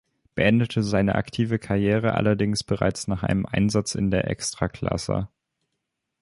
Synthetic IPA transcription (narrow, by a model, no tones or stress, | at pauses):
b̥əʔɛndətʰəzaɪnə̰ʔa̰ktʰiːvəkʰaʁjeːʁ̞əʔa̰lɐdɪŋsb̥əʁa̰ɪt͡snaːχʔa̰ɪnəmʔa̰ɪnzat͡sɪ̰ndeːɐʔɛ̰kstʁ̥aːkl̥a̰sə̰